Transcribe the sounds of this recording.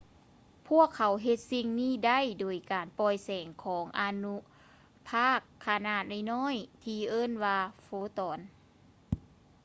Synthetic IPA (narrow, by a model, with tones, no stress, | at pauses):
pʰu˥˩əkʰːa˨˦wɦe˧t̪̚si˧ŋniː˥˨da˥˩˨jdoː˨˩jkaː˨˩npɔː˧jsɛː˨˩ŋkʰɔː˩˦ŋʔa˧nu˧ | pʰaː˥˩kʰːa˧na˧˩t̪̚ʔa˧˩jnɔː˥˨jt̪ʰiː˧ʔɤː˥˨nwaː˧foː˧˦t̪ɔː˨˩n